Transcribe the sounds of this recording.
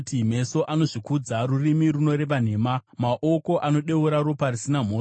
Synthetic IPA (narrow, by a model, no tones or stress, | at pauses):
tim̤e̞so̞ʔano̞ʐikud͡zarurimiruno̞ɾe̞ʋan̤e̞ːmamaʔo̞ko̞ʔano̞ɗe̞uɾaɾoparisinam̤oː